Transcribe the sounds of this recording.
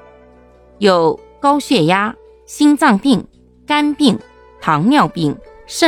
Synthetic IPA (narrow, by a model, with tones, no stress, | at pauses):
jo˨˩ʊkɑ˥ʊɕɥɛ˥˩ja˥ | ɕi˥ŋt͡sɑ˥˧ŋpi˥˩ŋ | ka˥npi˥˩ŋ | t̪ʰɑ˧˥ŋljɑ˥˧ʊpi˥˩ŋ | ʂə˥˧